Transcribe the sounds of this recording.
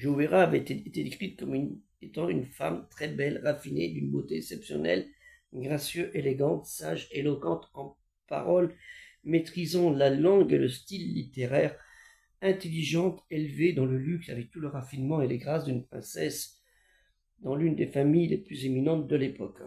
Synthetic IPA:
ʒoeʁaːvɛt̪eet̪ed̪ekχit̪̚kɔm | et̪ɑ̃ynfa̰mt̪χɛbɛlʁafinḛd̪ynbot̪eɛsɛpsjɔ̰nɛ̰l | ɡʁasjøʔeleɡɑ̃t̪sa̰ʒelɔkɑ̃t̪ɑ̃ | pa̰ʁɔl | met̪χizɑ̃lalɑ̃ɡeləst̪ilːit̪eʁɛʁ | ɛ̃t̪eliʒɑ̃t̪elved̪ɑ̃ləlyksavɛk̚t̪uləʁafinmɑ̃eleɡʁasd̪ynpχɛ̰̃sɛs | d̪ɑ̃lynd̪efamijleplyzeminɑ̃t̪̚d̪əlepɔk

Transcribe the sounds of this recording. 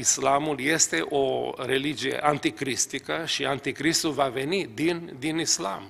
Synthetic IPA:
islamuljest̪e̞ʔoɾe̞lid͡ʒije̞̰ʔant̪ikɾist̪ikəʃiant̪ikɾist̪ulvave̞nid̪ind̪inisla̰m

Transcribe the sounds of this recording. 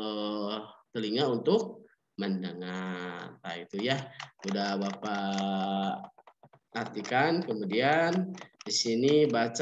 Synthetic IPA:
ə | t̪əliŋaunt̪ʊk̚ | məndəŋart̪ait̪ujaudahbapa | art̪ikankəmudiandisinibat͡ʃ

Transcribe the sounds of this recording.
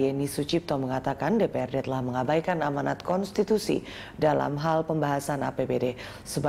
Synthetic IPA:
ɛnisut͡ʃip̚t̪ɔməŋat̪akandepeɛrdɛt̪əlahməŋabajkanamanat̪̚kɔnst̪it̪usḭ | dala̰mɦalpəmbaɦasana̰pebede | səba

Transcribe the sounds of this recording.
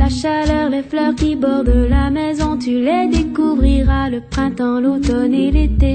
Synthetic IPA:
laʃalœʁmeflœʁkʲibɔʁd̪əlamɛzɔ̃t̪yled̪ekuvʁiʁaləpχɛ̃t̪ɑ̃lot̪ɔnelet̪e

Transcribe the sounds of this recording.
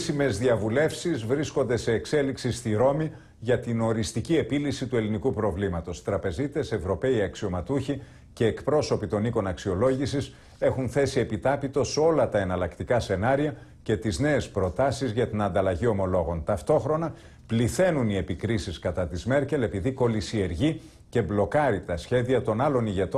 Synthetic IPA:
sime̞zðiɐvule̞fsizvɾisko̞nd̪e̞se̞ːkse̞liksist̪iɾo̞mi | ʝɐt̪ino̞ɾist̪icie̞pilisit̪ue̞linikupɾo̞vlimɐt̪o̞st̪ɾɐpe̞zit̪e̞se̞vɾo̞pe̞iɐksio̞mɐt̪uçi | ce̞ːkpɾo̞so̞pit̪o̞niko̞nɐksio̞lo̞ʝisis | e̞xunθe̞sie̞pit̪ɐpit̪o̞so̞lɐt̪ɐe̞nɐlɐkt̪ikɐse̞nɐɾiɐ | ce̞t̪izne̞espɾo̞t̪ɐsizʝɐt̪inɐnd̪ɐlɐʝio̞mo̞lo̞ɣo̞nt̪ɐft̪o̞xɾo̞nɐ | pliθe̞nunie̞pikɾisiskɐt̪ɐt̪izme̞ɾce̞le̞piðiko̞lisie̞ɾʝi | ce̞blo̞kɐɾit̪ɐsçe̞ðiɐt̪o̞nɐlo̞niʝe̞t̪o

